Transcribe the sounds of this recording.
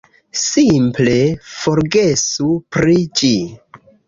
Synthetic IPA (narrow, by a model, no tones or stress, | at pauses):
simple̞fo̞ɾɡesupɾid͡ʒi